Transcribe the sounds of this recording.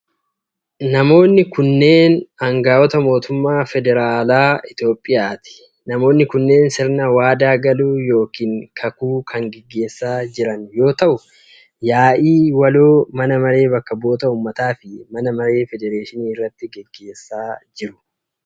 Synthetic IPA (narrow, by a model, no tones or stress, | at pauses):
nɐmo̞ːnːɪkʊnːe̞ːnɐŋɡaːwɔt̪ɐmo̞ːt̪ʊmːaːfɛd̪ɛɾaːlaːɪt̪jo̞ːpʼːɪjaːt̪ɪ̥ | nɐmo̞ːnːɪkʊnːe̞ːnsɪɾnɐwaːd̪aːɡɐluːjo̞ːkiːŋkʰɐkuːkʰɐŋɡɛɡːe̞ːsːaːd͡ʒɪɾɐnjo̞ːt̪ɐʔʊ | jaːʔiːwɐloːmɐnɐmɐɾe̞ːbɐkːɐbo̞ːt̪ɐuːmːɐt̪aːfɪmɐnɐmɐɾe̞ːfɛd̪ɛɾeːʃɪniːɪrːɐt̪ːɪɡɛɡːe̞ːsːaːd͡ʒɪɾʊ̥